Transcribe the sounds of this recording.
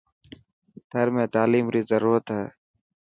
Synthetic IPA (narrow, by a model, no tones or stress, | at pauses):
t̪ʰəɾmẽːt̪aːliːmɾiːzəɾuːɾət̪ɦɛ̰ː